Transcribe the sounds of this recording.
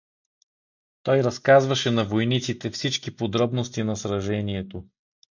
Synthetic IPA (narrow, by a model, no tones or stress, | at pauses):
t̪ɔjɾɐskazvɐʃɛnɐvojnit̪sit̪ɛfsit͡ʃkipod̪ɾɔbnost̪inɐsɾɐʒɛniɛt̪o